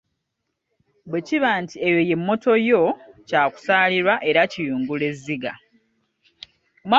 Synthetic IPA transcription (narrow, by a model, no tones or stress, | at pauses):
bwe̞ciβaːntiejo̞je̞mːo̞to̞jo̞caːku̥saːliɾwaʔe̞ɾacijuːŋɡule̞zːiɡa | oma